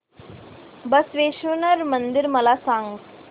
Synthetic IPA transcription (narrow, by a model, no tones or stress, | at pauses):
bəsʋeːʃunəɾmənd̪iɾməlasãŋɡ